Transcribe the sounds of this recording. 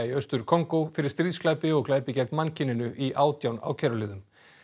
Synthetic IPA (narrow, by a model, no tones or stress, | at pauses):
iœst̪ʏɾ̥kʰɔŋkowfɪɾɪɾst̪ɾiːðsklajpɪɔɣklaːjpɪcɛjt̪mancɪnːɪnʏʔiʔaːwt̪jawna̰ːwcʰɛɾʏlɪːðʏm